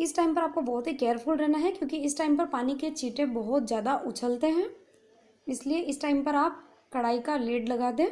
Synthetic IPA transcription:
ɪsʈaːɪmpɐɾaːp̚kobɔɦʊt̪ɦikɛːəɾpʰʊlɾɛːnaɦɛkjõːkiɪsʈaːɪmpɐɾpaːniket͡ʃiːʈẽbɔɦʊt̪zjaːd̪aʔʊt͡ʃʰəlt̪eɦɛ̃ː | ɪslieʔɪsʈaːɪmpɐɾaːp̚ | kɐɽaːikaleːɖlɐɡaːd̪ẽː

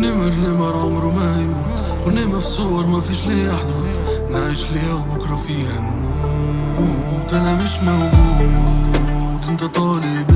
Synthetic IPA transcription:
nːeːmɪɾneːmɑɾˤʕʊmɾumahajmuːt̪ | xʊnːeːmafisʊwɑɾˤmafiːʃliːʔaħd̪ʊd̪ | nʕiːʃlhabʊkɾˤɑfiːhan | t̪anamɪʃmaw | d̪ɪnt̪at̪ˤɑːlɪb

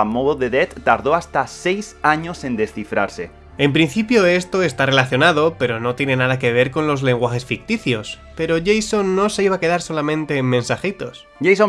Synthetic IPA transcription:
amoðoðeðet̪ːaɾðoast̪asejsaɲosẽnd̪esθifɾa̰ɾse | e̞mpɾin̟θipjoe̞st̪oest̪are̞laθjo̞nað̞o̞pe̞ɾono̞t̪je̞ne̞nað̞ak̬e̞β̞e̞ɾko̞nlo̞zle̞ŋɡwaxe̞sfik̚t̪iθjo̞spe̞ɾo̞ʝejsonːose̞iβake̞ð̞aɾso̞lamẽnt̪e̞ːmmensaxit̪os | ʝejso

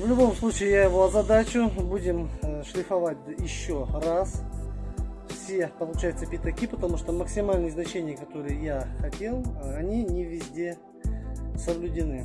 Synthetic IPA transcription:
vlʲʊbo̞mslˠut͡ɕɪɪjajɪvo̞ɐzɐd̪at͡ɕʊbudʲɪmʂlʲɪfɐvat̚ʲd̪jɪɕːo̞ras | fsʲe̞pəlˠʊt͡ɕajʊt̪səpʲɪt̪ɐkʲipət̪ɐmuʂt̪oməksʲɪmalʲnɨjznɐt͡ɕenʲɪjəkɐt̪o̞ɾɨjəjaxɐtʲe̞lˠɐnʲinʲɪvʲɪzʲdʲe̞ | səblʲʉdʲɪnɨ

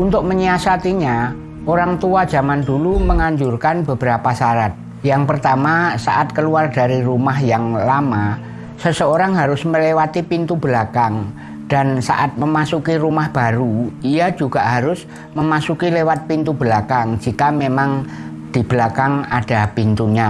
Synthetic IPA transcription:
ʔunt̪ʊk̚məɲiasat̪iɲa | ʔoɾaŋt̪uḁd͡ʒamanduluməŋaɲd͡ʒurkanbəbəɾapasaɾat̪̚ | jaŋpərt̪amasaʔat̪̚kəluardaɾiɾumahjaŋlama | səsəoɾaŋɦaɾʊsməlewat̪ipint̪ubəlakaŋ | d̥ansa̰ʔat̪̚məmasukiɾumahb̥aɾuijad͡ʒuɡ̥aʔɦaɾʊs | məmasukilewat̪̚pint̪ubəlakaŋd͡ʒikamemaŋ | d̪̥ib̥lakaŋad̥apint̪uɲa

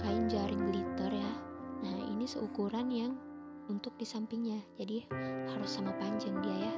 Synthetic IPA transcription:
kajiɲd͡ʒaɾɪŋlit̪ɔrjanaḭnisəukuɾanjaŋ | unt̪ʊk̚disampiŋɲad͡ʒadihaɾʊsamapaɲd͡ʒaŋdiaja

